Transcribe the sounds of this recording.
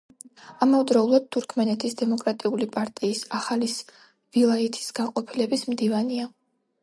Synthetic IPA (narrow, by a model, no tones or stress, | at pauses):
amɔvd̪ɾɔulˠad̪̚t̪ʰːuɾkʰmɛnɛt̪ʰisd̪ɛmɔkʼɾat̪ʼiulipʼaɾt̪ʼiːsaχalis | vilˠait̪ʰi̥sɡaqʼɔpʰilɛbismd̪ivania